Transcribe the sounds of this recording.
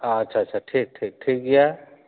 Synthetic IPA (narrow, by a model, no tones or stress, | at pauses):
aɐtːʃʰatːt͡ʃʰaʈʰiːk̚ʈʰiːk̚ʈʰiːk̚ɡɐja